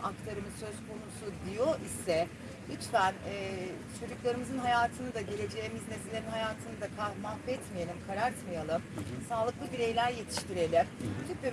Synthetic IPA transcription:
akt̪ʰaɾɯmɯzsø̞zkʰo̞nusud̪ijo̞ʔisɛ | hyt͡ʃt̪ænɛː | t͡ʃʰo̞d͡ʒuklˠaɾɯmɯzɯnɦajaːt̪ʰɯnɯd̪aɟe̞lʲe̞d͡ʒe̞jːmiznezilʲeninɦajaːt̪ʰɯnɯd̪akʰahmapɛt̪mijelʲimkʰaɾaɾt̪majalˠɯmsaːlˠɯklˠɯbiɾe̞jlʲæɾje̞t̪ʰi̥ʃt̪iɾe̞lʲimt̪ʰyby

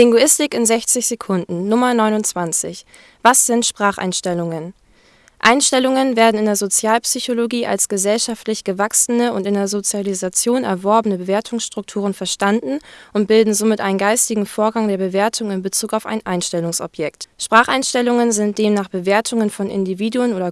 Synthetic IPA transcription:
lɪŋɡoɪstɪkɪnzɛçt͡sɪçz̥ekʰʊndn̩nʊmɐnɔʏnʊnt͡sv̥ant͡sɪ̰ç | v̥asz̥ɪntʃpʁ̥aːχʔa̰ɪnʃtɛlʊŋən | ʔaɪnʃtɛlʊŋənveːɐdn̩ɪndeːɐzot͡sjaːlpsyçoloɡiːʔa̰lsɡ̥əzɛlʃaftlɪçɡ̥əvaksənəʊntɪndeːɐzot͡sjalizat͡sjoːnɛ̰ɐvɔɐbənəbəveːɐtʰʊŋsʃtʁ̥ʊk̚tʰuːʁ̞ənfɛɐʃtandn̩ʔʊnt̚b̥ɪldn̩zomɪtʔaɪnənɡaɪstɪɡŋ̩foːɐɡaŋdeːɐbəveːɐtʰʊŋɪnbət͡suːkaʊfa̰ɪnʔaɪnʃtɛlʊŋsʔɔ̰pʰjɛk̚tʃpʁ̥aːχa̰ɪnʃtɛlʊŋənzɪnt̚d̥eːmnaːχb̥əveːɐtʰʊŋənfɔnʔɪ̰ndiviːduənʔoːdɐ

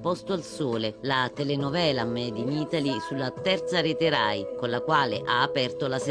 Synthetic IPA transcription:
pɔst̪oalsoːlelat̪elenovɛːlamɛd̪iniːt̪alisulːat̪ɛrt̪saɾet̪eɾajkonlakwaːleʔaːpɛrt̪olas

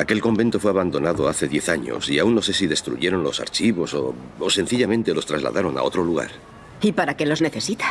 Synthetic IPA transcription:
ake̞lko̞mbe̞nt̪o̞fwe̞aβand̪o̞naðo̞aθe̞ðje̞θaɲo̞̰siaunːo̞sesiðe̞st̪ɾṵʝe̞ɾo̞nlo̞sa̰ɾt͡ʃiβo̞so̞ose̞n̟θiʎamẽ̞nt̪e̞lo̞st̪ɾa̰zla̰ðaɾo̞na̰o̞t̪ɾoluɣa̰ɾ | ipaɾakelo̞zne̞θesit̪ḁ

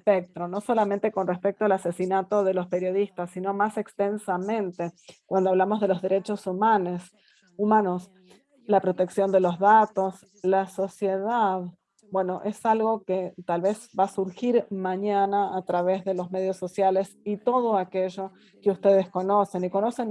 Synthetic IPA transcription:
spek̚t̪ɾono̞so̞lamẽnt̪eko̞nrespek̚t̪oalasesinat̪o̞ðe̞lo̞spe̞ɾjo̞ð̞ist̪asːino̞masekst̪ensamẽ̞nt̪ekwand̪oaβlamo̞zð̞e̞lo̞zðeɾe̞t͡ʃo̞sumanos | umano̞s | lapɾo̞t̪e̞ksjo̞nd̪elo̞zðat̪o̞s | laso̞sjeðað | bwe̞no̞ʔesalɣo̞ket̪alβezbasuɾxiɾmaɲanaːt̪ɾaβ̞e̞zðe̞lo̞zme̞ðjo̞sːo̞sjale̞sit̪o̞ð̞oakeʒo̞ | keust̪eð̞esko̞no̞se̞niko̞no̞sen

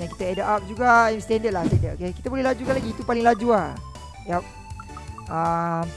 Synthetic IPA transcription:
daŋki̥t̪əɛdəʔap̚d͡ʒuɡaajmst̪ɛndət̪̚last̪ɛndət̪okekit̪abolɛhlad͡ʒukanlaɡiːt̪upaliŋlad͡ʒua | ap̚ | am

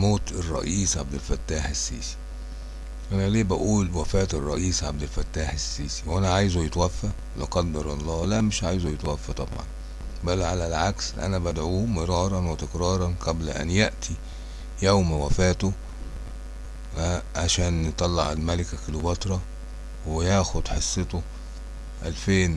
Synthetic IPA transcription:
moːt̪erˤːɑ̰ʔiːsʕab̚d̪ɪlfæt̪ːæːħesːiːsi̥ | ʔænæleːbæʔuːlwæfæːt̪erˤːɑ̰ʔiːsʕab̚d̪ælfæt̪ːaːħesːiːsi̥wʔænæʕaːjzjet̪wæfːæ | leqɑd̪ːɑɾˤɑlˤːɑːlæmɪʃʕaːjzujet̪wæfːæt̪ˤɑ̰bʕɑ̰n | bælːʕalælʕaksʔæ̰næbæd̪ʕuːmɪɾˤɑːɾˤɑnwet̪ekɾˤɑːɾˤɑnqɑblæʔæ̰njeʔt̪ʰi | jæwmwæfæːt̪o | æʕaʃæːnjet̪ˤɑlːɑʕalmælɪkækelubɑt̪ɾˤɑ | wejæːxod̪ħesˤːet̪o | ʔælfeːn

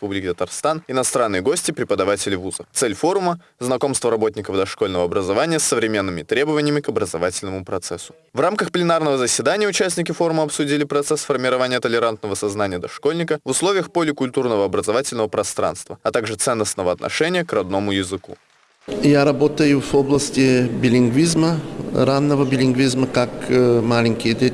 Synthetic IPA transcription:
ɪspublʲɪkʲɪt̪ət̪ɐrst̪anɪnɐst̪ɾanːɨjəɡo̞sʲtʲɪpɾʲɪpəd̪ɐvatʲɪlʲɪvuzət̪sɛlʲfo̞ɾʊmə | znɐko̞mst̪vəɾɐbo̞tʲnʲɪkəvd̪ɐʂko̞lʲnəvəɐbɾəzɐvanʲɪjəsːəvɾʲɪmʲe̞nːɨmʲɪt̪ɾʲebəvənʲɪjəmʲɪkɐbɾəzɐvatʲɪlʲnəmʊpɾɐt̪sɛsːʊ̥ | vramkəxplʲɪnarnəvəzəsʲvʲɪd̪anʲɪjəʊt͡ɕæsʲnʲɪkʲɪfo̞ɾʊməɐpsʊdʲilʲɪpɾɐt̪sɛsfərmʲɪɾɐvanʲɪjət̪əlʲɪɾant̪nəvəsɐznanʲɪjəd̪ɐʂko̞lʲnʲɪkəvʊslˠovʲɪjəxpolʲɪkʊlʲt̪urnəvəɐbɾəzɐvatʲɪlʲnəvəpɾɐst̪ɾa̰nst̪vəɐt̪aɡʐɨt̪sɛnːəsnəvəɐt̪nʔɐ̰ʂɛnʲɪjəkrɐd̪̚no̞mʊjɪzɨkṵ | jaɾɐbot̪əjʊvoblˠəsʲtʲɪbʲɪlʲɪŋɡvʲizməɾanːəvəbʲɪlʲɪŋɡvʲizməkakmalʲɪŋʲkʲɪjəd̪ʲe

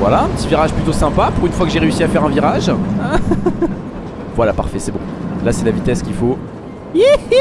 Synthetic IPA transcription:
vwa̰laɛ̃pət̪iviʁaʒplyt̪osɛ̃papuʁynfwakəʒeʁeysiafɛʁɛ̃viʁaʒã | vwalapa̰ʁfɛsɛbɔ̃lasɛlavit̪ɛskʲifo

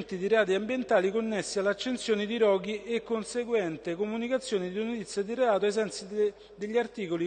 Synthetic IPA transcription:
nt̪id̪iɾeaːt̪̬iambjent̪aːlikonːesːialːat͡ʃːent̪sjoːnid̪iɾɔːɡ̟iekːonseɡwɛnt̪ekomunikat̪sːjoːnid̪inot̪it̪sːjad̪ireaːt̪oejs̬ɛnt̪si | d̪eʎːiart̪iːkoli

